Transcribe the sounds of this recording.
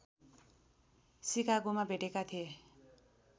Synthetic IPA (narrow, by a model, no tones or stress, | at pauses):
sikaɡumabʱeʈekat̪ʰije